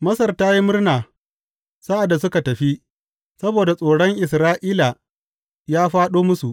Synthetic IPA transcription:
mɐ˦sɐ˨rtaː˦ji˦mʊ˦rnaː˨ | saː˦ʔa˨dːa˨sʊ˦ka˨tɐ˨ɸi˦ʔ | sɐ˦boː˨da˨sʼoː˨ɽɔ˦ŋʔɪ˨sɾaː˦ʔiː˦la˨ | jaː˦ɸaː˦ɗoː˦mʊ˦su˨ʔ

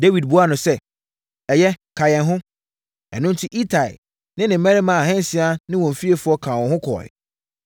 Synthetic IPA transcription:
de˦wi˨d̚bu˦a˦nʊ̃˨sɛ˦ | ɛ˨jɛ˦kʰa˨jɛ̃˨nɦʊ̃˦ | ɛ̰˨nʊ̃˦n˦tʰi˦ʔi˦tʰa˨ɪ̰˨ | nɪ̃˦nɪ̃˨m̩˨˦mæ̃˦ɾɪ˦mã˨a˨hɛ̃˦n˦sɪ˨a˦nɪ̃˦wɔ̃˨m˨fi˦e˨fʊ˦ɔ˦kʰã˨wɔ̃˨ɦʊ̃˦kʰɔ̰˨jɪ̰˨

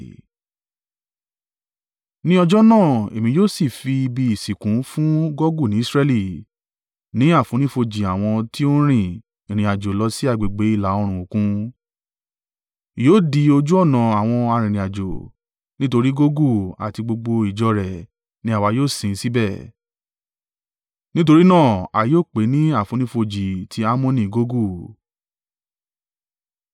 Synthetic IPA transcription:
nĩ˦ɔ˧d͡ʒɔ˦nãː˦˨e˨mĩ˧˦joː˦˨si˦˨fi˧i˧bi˧i˨si˨kũ˨˦fũ˦ɡɔ˦ɡu˦˨nĩ˨˦sɾɛ˧li˦˨ | nĩ˨˦a˦˨fũ˨˦nĩ˦fo˧d͡ʒi˨a˨w̃ɔ̃˧ti˦o˦ɾ̃ĩ˦˨ | ĩ˨ɾ̃ĩ˨a˨d͡ʒo˨lɔ˧˦si˦a˦˨ɡ͡be˨ɡ͡be˨˦i˦˨la˨˦o˧ɾ̃ũ˨o˨kũ˦˨ | joː˦˨di˧o˧d͡ʒu˦ɔ˦˨nã˨a˨w̃ɔ̃˧a˧ɾ̃ĩ˨ɾĩ˨a˨d͡ʒo˨ | nĩ˦to˧ɾi˦ɡo˦ɡu˦˨a̰˨ti˧ɡ͡bo˧ɡ͡bo˧i˨d͡ʒɔ˧ɾɛ˨ | nĩ˨˦a˦˨wa˧joː˦˨sĩ˨˧si˦bɛ˦˨ | nĩ˦t̬o˧ɾi˦nãː˦˨a˨joː˦˨k͡pe˨˦nĩ˦a˦˨fũ˨˧˦nĩ˦fo˧d͡ʒi˨tʰi˧a˦mõ˦nĩ˦˨ɡo˦ɡu˦˨

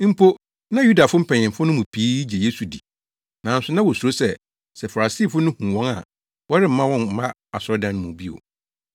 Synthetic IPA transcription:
m̩˦pʰo˦ | nã˦ju˦da˨fʊ˦m̩˦pʰɛ˨ɲ˨ɛ̃˨fʊ˦nʊ̃˦mʊ̃˨pʰiː˦d͡ʑe˨je˦su˨di˨ | nã˨n̩˦sʊ˦nã˦wɔ˨su˨ɾo˦sɛ˦˨ | sɛ˨fa˨ɾa˨siː˦˨fʊ˦nʊ̃˦hũ˨wɔ̃˦ŋa̰˨ | wɔ˦ɾɪ˦m̩˦mã˦wɔ̃˦nm̩˨mã˦ | a˨sʊ˦ɾɔ˦dã˦n˦mʊ̃˨bi˦o̰˨

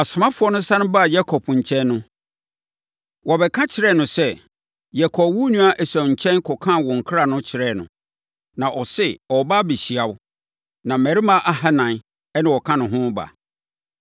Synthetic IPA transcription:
a˨sʊ˨mã˦fʊ˨˦ɔ˦nʊ̃˦sã˦nʊ̃˦ba˦˨ja˦kʰɔ˨pʰɲ̩˨t͡ɕʰɛ̃˦nːʊ̃˦ | wɔ˨bɛ˨kʰã˦t͡ɕʰɪ˨ɾɛ˦˨nʊ̃˨sɛ˦˨ | jɛ˦kʰɔ˨pwu˦nũ˦a˦ʔɛ˨sa˨ɲ̩˨t͡ɕʰɛ̃˦nkʰɔ˨kʰã˦˨wɔ̃˨ŋ̩˨kʰɾa˨nʊ̃˦t͡ɕʰɪ˨ɾɛ˦˨nʊ̰̃˨ | nã˨ʔɔ˨sɪ˦ɔ˨ba˦bi˨ɕi˨a˨wʊ˦ | nã˨mɛ˨ɾi˦mã˦ʔa˨ha˦nã˨n | ɛ˦nɪ̃˨wɔ˨kʰã˦nʊ̃˨ɦʊ̃˦ba̰˨

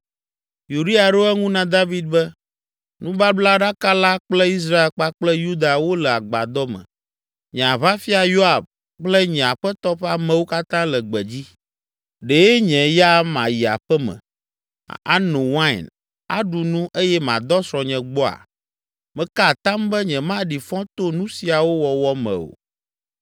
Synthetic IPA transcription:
ju˨ɖi˦a˨ɖo˦ɛ˦ŋũ˦nã˦d̪a˦vi˨d̪̚bɛ˦ | nũ˦ba˦bla˦ɖa˦ka˦la˦k͡plɛ˦i˦s̬ɾa˦e˨lk͡pa˦k͡plɛ˦ju˦d̪a˨wo˦lɛ˨a˨ɡ͡ba̰˨d̪ɔ˦mɛ̰̃˨ | ɲɛ̃˨a˨βa˦fi˦a˨jo˦a˨b̚ | k͡plɛ˦ɲɛ̃˨a˨ɸɛ˦t̪ɔ˦ɸɛ˦a˦mɛ̃˨wo˦ka˦t̪ã˦lɛ˨ɡ͡bɛ˨d͡ʑi˦ | ɖe˨e˦ɲɛ̃˨ja˦mã˨ji˨a̰˨ɸɛ˦mɛ̰̃˨ | a̰˦nũ˨wã̰˦˨n | a̰˦ɖu˨nũ˦ʔe˦jɛ˦mã˨d̪ɔ˦sɾɔ̃˨ɲɛ̃˨ɡ͡bɔ˦a̰˨ | mɛ̃˨ka˦˨t̪ã˦mbɛ˦ɲɛ̃˨mã˦ɖi˨fɔ̃˦t̪o˦nũ˦si˨a˨wo˦wɔ˨wɔ˨mɛ̰̃˨o̰˨

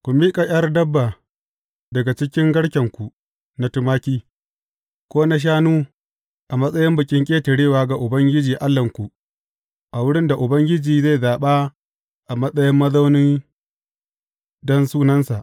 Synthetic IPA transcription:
kʷu˨miː˦kʼa˨j̰ʲɐ˦rdɐ˦bːa˨ | dɐ˨ɡa˨t͡ʃɪ˦kʲɪ˦ŋɡɐ˦ɽkʲɐ˨ŋkʷu˨ | na˨˦tʊ˦maː˦kʲiː˦ | kʷoː˦na˦ʃ̬aː˦nuː˦ | ʔa˨mɐ˦sʼɐ˦jɪ˦mbʊ˨kʲʼɪ˦ŋkʲʼeː˦tɐ˨ɽeː˦˨waː˨˦ɡa˨ʔʊ˨bɐ˦ŋɡʲɪ˦d͡ʒiː˨ʔa˦lːɐ˨ŋkʷu˨ | ʔa˨wʊ˦ɽɪ˦nda˨ʔʊ˨bɐ˦ŋɡʲɪ˦d͡ʒiː˨ze˦˨zaː˨ɓaː˦ | ʔa˨mɐ˦sʼɐ˦jɪ˦mːɐ˦zɐ˦wnɪ˦n | dɔ˦nsuː˦nɐ˦nsa˨ʔ

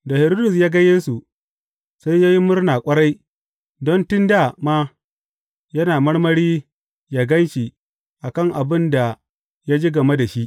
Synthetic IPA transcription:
da˨hɪ˨ɾo˦dʊ˨s̬jaː˦ɡa˦jeː˦su˨ | sa˦jjaː˦ji˦mʊ˦rnaː˨kʷʼɐ˦ɽa˦j | dɔ˦ntʊ˦nda˨ma˦ | jɐ˦naː˨mɐ˦ɽmɐ˦ɽiː˦ | ja˨ɡɐ˦nʃi˨ | ʔa˨kɐ˦˨ŋʔa˨bɪ˦nda˨ | ja˦d͡ʒeː˦ɡɐ˨me˦da˨ʃi˦ʔ

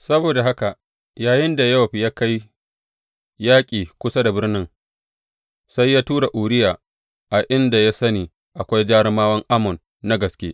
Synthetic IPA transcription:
sɐ˦boː˨da˨ɦa˦ka˨ | jaː˨jɪ˦nda˨ja˦wa˨ɸi˨jaː˦ka˦j | jaː˦kʲʼiː˨kʷʊ˦sa˦da˨bɪ˦rnɪ˦ŋ | sa˦jːaː˦tuː˦ɾa˨ʔuː˨ɾɪ˦jaː˨ | ʔa˨ʔɪ˦nda˨ja˦sɐ˦niː˨ | ʔa˨kʷa˦jd͡ʒaː˦ɾɪ˦maː˦wɐ˦ŋʔa˦mɔ˨nː | a˦ɡɐ˨skʲḛː˦

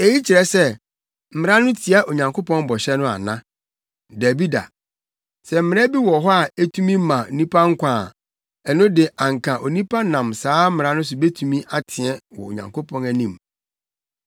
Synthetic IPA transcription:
e˨ji˦t͡ɕʰi˨ɾɛ˨sɛ˦ | m̩˨m̩̃˨ɾã˦nʊ̃˦tʰi˨a˦ʔo˨ɲã˨ŋkʰo˦pʰɔ̃˦n˦bɔ˨ɕɛ˦nʊ̃˦a̰˨nã˦ | dæ˨bi˦da̰˨ | sɛ˨m̩˦mɪ̃˨˦æ˦bi˦wɔ˨ɦɔ˦a˨æ˦tʰũ˦mĩ˦mã˨o˨nĩ˦pʰa˦ŋ̩˦kʷãː˨ | ɛ˨nʊ̃˦dɪ˨ã˨ŋ̩˨kʰã˨ʔo˨nĩ˦pʰa˦nã˨msaː˦m̩˦mɪ̃˨ã˦nʊ̃˦s̬ʊ˨be˦tʰũ˦mĩ˦ʔa˨tʰɪ̃˨ɛ˦wɔ̰˨o̰˨ɲã̰˨ŋkʰo˦pʰɔ̃˦næ˨nĩ˨m

